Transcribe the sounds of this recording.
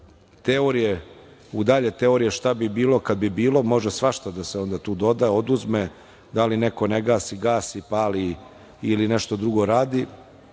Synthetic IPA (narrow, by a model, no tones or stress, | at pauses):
t̪eoɾije | ud̪aʎet̪e̞oɾijeʃt̪abibiːlo̞kad̪̚bibiːlo̞mo̞ʒasʋaʃt̪ad̪aseo̞nd̪at̪uːd̪o̞d̪ao̞d̪uzme | d̪alineko̞neɡaːsiɡaːsipaːli | ilineʃt̪o̞d̪ɾuɡo̞ɾaːd̪i